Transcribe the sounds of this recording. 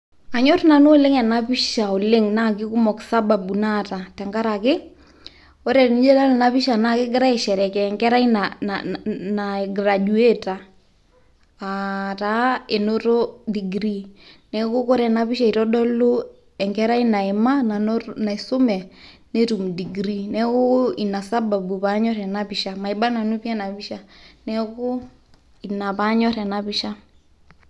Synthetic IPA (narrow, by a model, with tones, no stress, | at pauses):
a˨ɲɔ˦tna˨nʊ˦lɪ˦ŋɛ˨na˦pɪ˦ʃa˨o˨lɪ˦ŋna˦kɪ˦ku˦mɔ˨ksa˦ba˨bu˨na˦ta˨tɛ˨ŋɡa˦ɾa˨kɪ˦ | ɔ˦ɾɛ˨nɪ˦d͡ʒe˦la˦lna˦pɪ˦ʃa˨na˦kɪ˦ɡɪ˦ɾa˦i˨ʃɛ˨ɾɛ˨kɛː˨ŋɡɛ˦ɾa˦inananaɡɾa˨d͡ʒu˨e˦ta˨ | ta˦e˨noɾo˦di˨ɡɾi˦nɛ˦ko˦ko˦ɾɛ˨na˨βi˦ʃa˦i˨ɾɔ˦ɗɔ˦lo˦ | ɛŋɡɛ˦ɾa˦i˦na˨e˨ma˦na˨na˨i˨so˦mɛ˨ | ne˦tu˨mdi˨ɡɾi˦nɛ˦ko˦i˨na˨sa˦ba˨bu˨pa˨˦ɲɔ˦ɾɛ˨na˦pi˨ʃa˦ma˨i˨ba˦na˨nu˦pjɛ˦na˨pi˦ʃa˦nɛ˦ko˦ | i˨na˨pa˦ɲɔ˦ɾɛ˨na˨pi˦ʃa˦